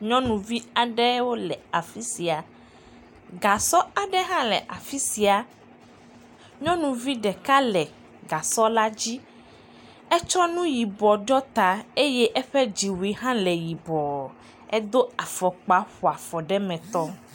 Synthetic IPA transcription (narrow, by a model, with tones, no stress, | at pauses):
ɲɔ̃˦nũ˨vi˦a˨ɖɛ˦wo˦lɛ˨a˨fi˦si˨a˨ | ɡa˨sɔ˦a˨ɖɛ˦ɦã˦lɛ̰˨ʔa˨fi˦si˨a˨ | ɲɔ̃˦nũ˨vi˦ɖɛ˨ka˦lɛ˨ | ɡa˨sɔ˦la˦d͡ʑi˦ | ɛ˦t͡ʃɔ˦nũ˦ji˨bɔ˨ɖɔ˦t̪a˨e˦jɛ˦ʔɛ˦ɸɛ˦d͡ʑi˨wi˨ɦã˦lɛ˨ji˨bɔ˨ | ɛ˦d̪o˦a˨fɔ˨k͡pa˦ɸu˨a˨fɔ˨ɖɛ˦mɛ̃˨t̪ɔ˦